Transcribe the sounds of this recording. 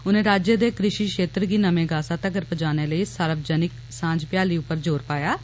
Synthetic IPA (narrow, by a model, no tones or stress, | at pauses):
ʊnẽːɾaːd͡ʒeːd̪eːkɾɪʃiːʃeːt̪ɾɡiːnəmẽːɡaːsaːt̪əɡəɾpəd͡ʒaːneːləiːsəɾəbd͡ʒənɪk | sãːd͡ʒpɪjaːliːʊpːəɾd͡ʒoːɾpaːjaː